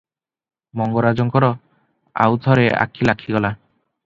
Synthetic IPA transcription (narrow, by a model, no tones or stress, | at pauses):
mɔŋɡɔɾad͡ʒɔŋkɔɾɔ | a̰wt̪ʰɔɾea̰kʰilakʰiɡɔla